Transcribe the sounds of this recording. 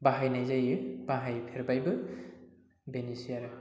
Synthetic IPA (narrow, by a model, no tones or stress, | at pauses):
baɦajnajzajɯbaɦajpʰeɾbajbɯ | benisijaɾɯ